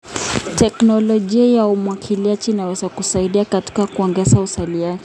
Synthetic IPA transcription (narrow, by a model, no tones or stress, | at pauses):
tɛknɔlɔʄiajaumwakʰiliat͡ʃinawɛzakusaiɗiakati̥kakuɔŋɡɛsausaliat͡ʃ